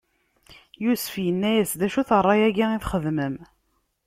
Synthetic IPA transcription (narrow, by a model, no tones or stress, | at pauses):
jusə̥fjənːæjæsðæʃuθərˤːɑjæɡiiθχəðməm